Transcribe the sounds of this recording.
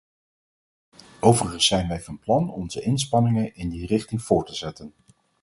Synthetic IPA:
ʔowvərəχənsɛjnʋɛjvɑnplɑnɔ̰nzəʔɪnspɑnɪŋənɪndirɪχtɪŋv̥ʊːɹtəzɛtən

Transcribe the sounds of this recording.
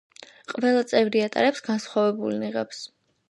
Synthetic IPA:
qʼvɛlˠat̪sʼɛvɾiat̪ʼa̰ɾɛpsɡansχwavɛbulniʁɛps

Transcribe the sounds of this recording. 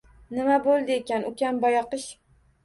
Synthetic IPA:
nɪmabolˠd̪ɪekʲanʊkʲanbɒjɑqɨʃ

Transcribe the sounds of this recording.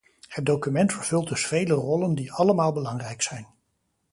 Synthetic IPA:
hət̚dowkymɛntfəɹv̥ɵlˠt̚dɵsfejlərɔləndiɑləmaːlˠbəlɑŋrɛjksɛjn

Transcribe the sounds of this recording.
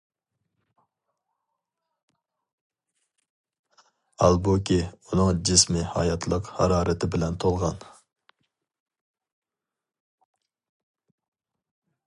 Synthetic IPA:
ɑlˠbukʲiunɨŋd͡ʒɪsmɪhɑ̰jɑt̪ʰlˠəqhɑɾɑːɾɪt̪ʰɪbɪlɛnt̪ʰolˠʁɑn

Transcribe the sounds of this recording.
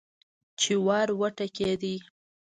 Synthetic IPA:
t͡ʃewɑɾwəʈaked̪i

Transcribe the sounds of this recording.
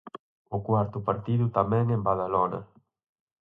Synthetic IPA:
ʊkwaɾt̪ʊpaɾt̪iðʊt̪amɛ̃ŋembaðalɔnɐ̰

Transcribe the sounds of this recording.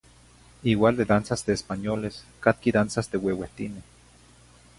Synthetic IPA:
iwaːld̪ed̪ansasd̪eːspanjoleskat̪̚kiðansasd̪eweweht̪ine

